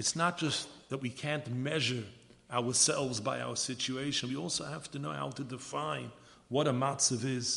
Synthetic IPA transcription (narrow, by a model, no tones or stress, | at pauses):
ɨtsnət̚d̥ʒ̥ʌsðət̚wikʰæ̃ntmɛʒə˞ | aʊə˞sɛlˠvzbaɪa̰ʊə˞sɪt͡ʃueɪʃɨ̃nwiɔlˠsoʊhæftɨnoʊha̰ʊɾɨdɨfãɪ̃n | wʌɾəmɑsɨvɪz̥